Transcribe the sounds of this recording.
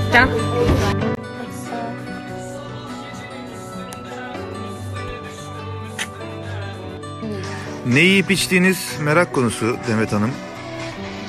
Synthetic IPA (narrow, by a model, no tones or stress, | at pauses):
t̪a | nejiipit͡ʃt̪iːniz̥meɾakʰːo̞nusud̪emmet̪ʰanɯm